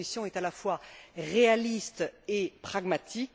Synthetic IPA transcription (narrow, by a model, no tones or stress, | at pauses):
isjɔ̃ɛt̪alafwaʁealist̪epχaɡmat̪ʰik